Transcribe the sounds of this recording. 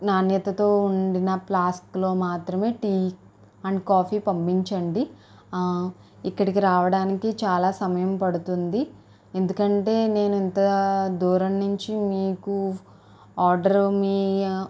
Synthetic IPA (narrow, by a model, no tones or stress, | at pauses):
naːnjɐt̪ɐt̪o̞ːuɳɖinɐplaːsklo̞ːmaːt̪ɾɐme̞ːʈiː | ɐɳɖkaːpʰiːpɐmpiɲt͡ʃɐɳɖi | ikːɐɽikiɾaːʋɐɽaːnikit͡ʃaːlaːsɐmɐjɐmpɐɽut̪und̪i | end̪ukɐɳʈe̞ːne̞ːnuint̪ɐd̪uːɾɐnːuɲt͡ʃimiːku | aːɾɖɐɾmiː